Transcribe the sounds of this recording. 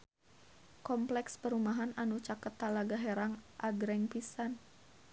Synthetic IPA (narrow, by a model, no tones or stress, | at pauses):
kɔmplɛkspəɾumaɦananut͡ʃakət̪ːalaɡaɦɛɾaŋʔaɡɾɛŋpisan